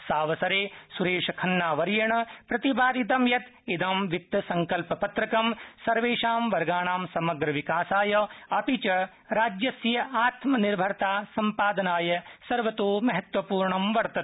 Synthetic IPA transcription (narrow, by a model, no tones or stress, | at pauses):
saːʋɐsɐɾeːsuɾeːʃɐkʰɐnːaːʋɐɾjɐɳɐpɾɐt̪ibaːd̪id̪ɐmjɐt̪ | id̪ɐmʋit̪ːɐsɐŋkɐlpɐpɐt̪ɾɐkɐmsɐɾʋeːʃaːmʋɐɾɡaːɳaːmsɐmɐɡɾɐʋikaːsaːjɐɐpit͡ʃɐ | ɾaːd͡ʒjɐsjɐaːt̪mɐniɾbʱɐɾt̪aːsɐmpaːd̪ɐnaːjɐsɐɾʋɐt̪oːmɐɦɐt̪ʋɐpuːɾɳɐmʋɐɾt̪ɐt̪̚